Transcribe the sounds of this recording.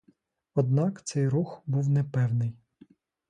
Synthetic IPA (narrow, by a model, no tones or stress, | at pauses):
ɔd̪nɑkt̪sɛjɾuxbuwnɛpɛwnɪj